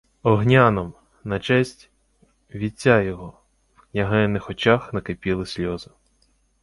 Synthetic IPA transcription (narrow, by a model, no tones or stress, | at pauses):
ɔɦnʲanɔm | nɐt͡ʃɛsʲtʲ | ʋʲit͡sʲːajɔɦɔ | wknʲɐɦɛnːɪxɔt͡ʃaxnɐkepʲilˠɪsʲlʲɔzʊ